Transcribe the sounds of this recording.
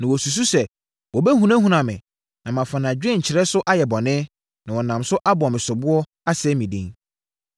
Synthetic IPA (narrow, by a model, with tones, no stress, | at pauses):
nã˨wɔ˨su˨s̬u˦sɛ˨ | wɔ˨bɛ˦ɦũ˨nã˦ɦũ˦nã˨mɪ̰̃˨ | nã˨mã˨fã˨nã˨d͡ʑᶣɛ̃˦ɲ̩˨t͡ɕʰɪ˨ɾɛ˦sʊ˦ʔa˦jɛ˨bɔ̃˨nɪ̃˦ | nã˨wɔ˨nã˨msʊ˦ʔa˦bʊ˨mɪ̃˨sʊ˨bʊ˦ɔ˦ | a˦sɛː˦mĩ˨dḭ̃˦ŋ